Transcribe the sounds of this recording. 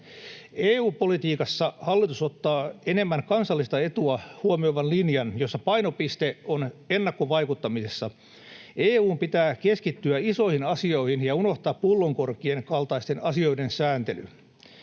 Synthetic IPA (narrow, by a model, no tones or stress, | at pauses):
eːuːpo̞lit̪iːkɑsːɑhɑlːit̪usot̪ːɑːene̞mːæŋkɑnsɑlːist̪ɑe̞t̪uɑhuomio̞ʋɑnlinjɑnjosːɑpɑjnopist̪eonenːɑkːoʋɑikut̪ːɑmisesːɑ | eːuːmpit̪æːkeskit̪ːyæiso̞ihinɑsio̞ihinjɑuno̞ht̪ɑːpːulːoŋko̞rkieŋkɑlt̪ɑist̪enɑsio̞idensæːnt̪ely